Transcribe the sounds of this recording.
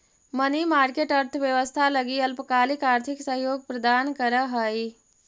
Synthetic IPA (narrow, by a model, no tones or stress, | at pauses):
mənimaɾkeʈəɾt̪ʰəʋjeʋəst̪ʰaləɡiəlpəkalikaɾt̪ʰiksəɦjoɡ̚pɾəd̪ankəɾəɦəj